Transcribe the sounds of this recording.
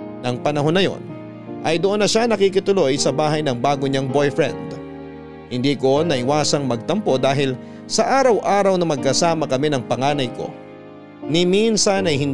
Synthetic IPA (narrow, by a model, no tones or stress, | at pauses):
nɐŋpɐnɐɦo̞nːɐjo̞̰n | ʔɐjd̪oʔo̞nːɐʃanɐkik̬ɪt̪ʊlo̞jsɐbaːɦɐjnɐŋbaːɡoɲaŋbo̞jfɾɛ̰nd̪ | hɪnd̪iːko̞nɐʔɪwaːsɐŋmɐɡ̚t̪ɐmpo̞d̪aːɦɪl | sɐʔaːɾɐwʔaːɾɐwnɐmɐɡ̚kɐsaːmɐkɐmɛnɐŋpɐŋaːnɐjko̞̰ | nɪminsɐnɐjhɪn